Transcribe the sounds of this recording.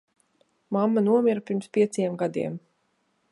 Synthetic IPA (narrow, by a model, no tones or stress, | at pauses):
mamːanuɔmʲiɾapʲiɾmspʲiɛt̪sjɛmɡad̪ḭɛm